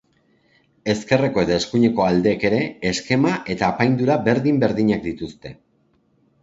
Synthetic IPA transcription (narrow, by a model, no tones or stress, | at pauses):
e̞ske̞re̞ko̞e̞ðaeskuɲe̞ko̞ald̪e̞ːke̞ɾe̞ːske̞maʔe̞t̪aːpajnd̪uɾaβe̞ɾðimbe̞ɾðiɲakd̪it̪ust̪e̞